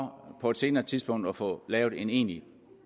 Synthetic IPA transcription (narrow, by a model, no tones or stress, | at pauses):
pʰɒ̽e̝d̥se̝ːnɐːt͡sʰiðˠsb̥ɔ̽ŋ̰d̥ɒfɔ̰̽lɛːʊð̩ˠe̝ne̝̰ːni